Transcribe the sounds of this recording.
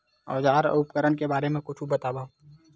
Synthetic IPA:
ɔ̰ːd͡ʒaːɾʊpkəɾənkebaːɾemẽkʊt͡ʃʰubɐt̪aːbaː

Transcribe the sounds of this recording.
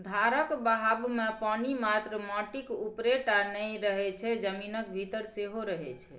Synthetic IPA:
d̪ʱaɾəkbaɦabmepanimat̪ɾəmɔʈikupɾeʈanəjɾəɦɛt͡ʃʰɛd͡ʒəminək̚bʱit̪əɾseɦoɾəɦɛt͡ʃʰɛ

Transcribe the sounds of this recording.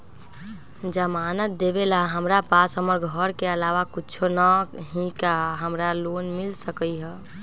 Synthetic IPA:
d͡ʒəmanət̪̚d̪eβelaɦəmɾapasɦəməɾɡʱɔɾkeəlaʋakit͡ʃʰonəɦĩkaɦəmɾalonmilsəkəjɦə

